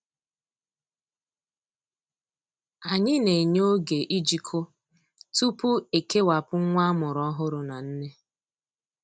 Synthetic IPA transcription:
a˨ɲɪ˦ne˨ɲo˦ɡe˨ʔi˦d͡ʒi˨kʰo˦ | tu˦pʊ˦e˨ke˦wa˨pʊ˦ŋ̩˦ŋʷa˦a˦mʊ˨ɾɔ˦ɦʊ˦ɾʊ˨na˨n̩˦ne˦

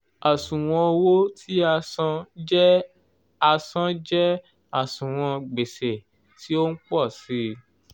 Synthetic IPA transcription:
a˨sũ˨w̃ɔ̃˧o˧wo˦tʰi˦ã˧˦ | a˧sã˦d͡ʒɛ˦ | a˦˨sũ˨w̃ɔ̃˧ɡ͡be˨se˨ | ti˦o˦n̩˦k͡pɔ˦˨si˦

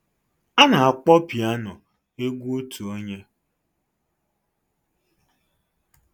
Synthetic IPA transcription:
a˦na˨a˨k͡pɔ˦pi˨a˦nɔ˨ | e˦ɡʷu˦o˦tʰu˨o˦ɲe˦

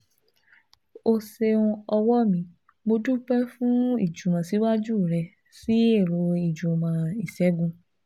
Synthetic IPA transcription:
o˧se˧ũ˧ɔ˧wɔ˦mĩ˧ | mo˧du˦k͡pɛ˦fũ˦ḭ˦˨d͡ʒu˨mã˨˧˨si˨˦wa˦d͡ʒu˦˨ɾɛ˧ | si˦e˦˨ɾo˧i˨d͡ʒu˨mã˧i˨ʃɛ˨˦ɡũ˧

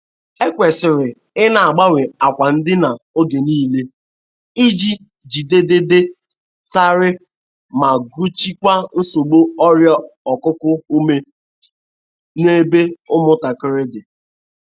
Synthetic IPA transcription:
e˦kʷe˨sɪ˨ɾɪ˨ | ɪ˦na˨a˨ɡ͡ba˦we˨a˨kʷa˨n̩˦dɪ˦na˨o˦ɡe˨niː˦le˦ | i˦d͡ʒi˦ | d͡ʒi˨de˦de˦de˦ | ta˦ɾɪ˦ | ma˨ɡu˦t͡ʃi˦kʷa˦n̩˦so˨ɡ͡bo˦ɔ˦ɾjɔ˦ɔ˨kʊ˦kʊ˦u˦me˦ | ne˦be˦ʊ˦mʊ˦ta˨kɪ˦ɾɪ˦dɪ˨

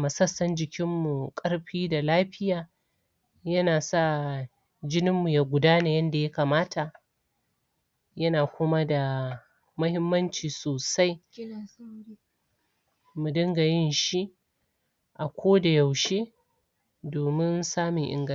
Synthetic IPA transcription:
mɐ˨sɐ˦sːɐ˦nd͡ʒɪ˨kʲɪ˦mːu˨kʼɐ˦ɽɸiː˦da˨laː˦ɸɪ˦jaː˨ | jɐ˦naː˨sa˦˨ | d͡ʒɪ˦nɪ˦mːu˨jaː˨ɡʷʊ˨daː˦na˨jɐ˦nda˨ja˦kaː˨maː˦tʰa˨ʔ | jɐ˦naː˨kʷʊ˦ma˦da˨ | mɐ˦hɪ˦mːɐ˦nt͡ʃiː˨soː˨sa˦j | mu˨dɐ˦ŋɡa˨jɪ˦nʃi˦ʔ | ʔa˨kʷʰoː˦da˨ja˨wʃeː˦ | doː˨mɪ˦nsaː˦mɪ˨ŋʔɪ̰˦ŋɡɐ˦

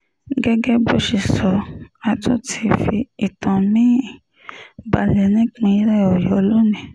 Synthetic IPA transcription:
ɡɛ˦ɡɛ˦bo˦ʃi˨sɔ˨˧a˧tʰo˦tʰi˧fi˧i˨tã˨mĩ˦˨ | ba˧lɛ˨nĩ˦k͡pĩ˧i˦ɾɛ˦˨ɔ˨jɔ˨˦lo˦nĩ˨

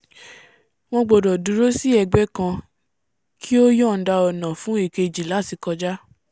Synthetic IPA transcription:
w̃ɔ̃˧ɡ͡bɔ˨dɔ˨dũ˨˦ɾo˦si˦ɛ˧ɡ͡bɛ˦kã˧ | kʰi˦o˦jɔ̃˦˨n̩˦da˧ɔ˨nã˨fũ˨˦e˦˨ke˧d͡ʒi˨la˨˦˨ti˨˧kɔ˧d͡ʒa˦

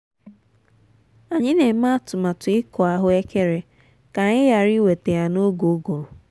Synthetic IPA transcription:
a˨ɲɪ˦ne˨˦ma˦˨tʊ˨ma˨tʊ˨ɪ˦kɔ˨a˦ɦʊ˦e˦ke˦ɾe˨ | ka˨ɲɪ˦ja˨ɾi˦we˨te˨ja˨no˦ɡo˨˦ɡo˨ɾʊ˨

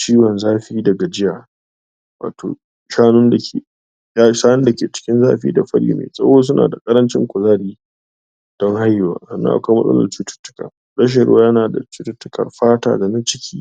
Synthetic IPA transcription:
t͡ʃiː˦wɔ˨nzaː˦ɸɪ˦iː˦dɐ˨ɡa˨d͡ʒɪ˦ja˨ | wa̰ː˨to̰ː˨ | ʃaː˦nʊ˦nda˨kʲʰeː˨ | ja˦ʃaː˦nɪ˦nda˨kʲeː˨t͡ʃɪ̥˦kʲɪ˦nzaː˦ɸɪ˦ḭː˦da˨ɸɐ˦ɽḭː˦mḛː˨sʼɐ̰˦woː˦s̬ʊ˦nʔa̰ː˨da˨kʼɐ˦ɾɐ˦nt͡ʃɪ̰˦ŋkʷʊ˨zaː˦ɾiː˦ | d̥ɔ˦ŋha˦jːʊ˨wa̰ː˨sɐ˨nːɐ̰˦ŋʔa̰˨kʷa˦mɐ˦sʼɐ̰˦lɐ̰˨rt͡ʃuː˦tʊ̥˦tːʊ̥˦ka̰ː˨ | ɾɐ˦ʃ̬ɐ˨ɽʊ̰˦wa˦jɐ˦naː˨da̰˨t͡ʃuː˦tʊ˦tːʊ˦kɐ̰˨rɸaː˦ta̰ː˦da˨na˦t͡ʃɪ˦kʲʰiː˦

